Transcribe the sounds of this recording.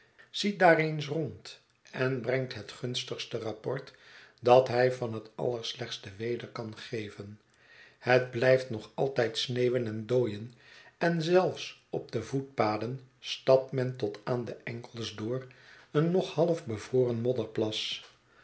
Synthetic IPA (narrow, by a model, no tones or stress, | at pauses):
z̥idaːrejns̬rɔnt | ɛnbrɛŋtɦətχɵnstəχstərɑpɔɹt | dɑtɦɛjvɑnɦətɑ̰lˠəɹslɛχt̪sdəʋejdəɹkɑnχejvən | həd̚blɛjftnɔχɑ̰lˠtɛjtsneːwənɛndoːjənɛnzɛlˠfsɔb̚dəvut̚paːdənstɑp̚tmɛntɔtaːndəʔɛŋkəlˠzdʊːrənːɔχhɑlˠəfbəvrʊːrənmɔdəɹplɑs